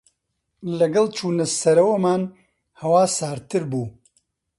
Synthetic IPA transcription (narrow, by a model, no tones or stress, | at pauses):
lɐɡɐlˠt͡ʃʰuːnɐsɐɾɐwɐmaːn | hɐwaːsaːɾt̪ʰɨɾbuː